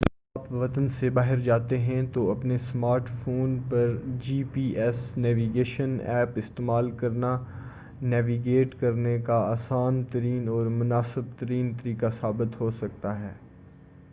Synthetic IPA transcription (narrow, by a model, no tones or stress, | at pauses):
aːpʋɐt̪ənsebaːɦɪɾd͡ʒaːt̪eɦɛ̃t̪oɐpnesmaːɾʈfoːnpɐɾd͡ʒiːpiːʔɛsnɛːʋiːɡeːʃənɛ̰ːpɪst̪eːmaːlkɐɾna | nɛːʋiɡeːʈkɐɾnekaaːsaːnt̪ɐɾiːnɔːɾmʊnaːsɪb̚t̪ɐɾiːnt̪ɐɾiːkasaːbɪt̪ɦoːsɐk̚t̪aɦɛː